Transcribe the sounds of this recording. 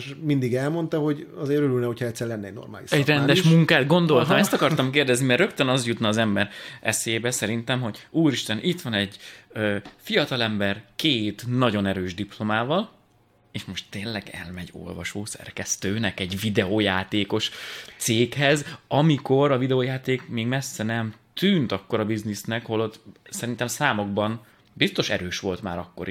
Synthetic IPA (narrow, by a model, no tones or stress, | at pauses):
ʃmind̪iɡɛlmo̞nt̪ɒho̞ɟɒzeːɾøɾylnɛhocʰhɒɛt̪sːɛɾlɛnːɛɟno̰rma̰ːlḭʃɛɟrɛnd̪ɛʃmuŋkaːd̪̚ɡo̞nd̪o̞lt̪ɒmɛst̪ɒkɒrɒmkeːrd̪ɛznimɛrːø̞kt̪ønɒzjut̪nɒːzɛmbɛɾɛ̰seːbɛsɛɾint̪ɛmɦo̞ɟuːɾiʃt̪ɛnit̪ʋɒnɛɟøfijɒt̪ɒlɛmbɛrkeːt̪nɒɟo̞nɛɾøːʒd̪iplo̞maːvɒl | eːʃmo̞ʃt̪ːeːnlɛɡɛ̰lmɛɟo̞̰lvɒʃoːsɛ̰rkɛst̪øːnɛkɛɟvid̪ɛoːjaːt̪eːko̞ʃt̪seːkhɛzɒmiko̞ɾɒvid̪ɛoːjaːt̪eːkmeːɡmɛsːɛnɛmt̪yːnt̪ɒkːo̞ɾɒbiznisnɛkɒholot̪sɛɾint̪ɛmsaːmo̞ɡ̚bɒn | bist̪o̞ʃɛ̰ɾøːʃʋo̞lt̪ma̰ːɾɒkːo̞ɾ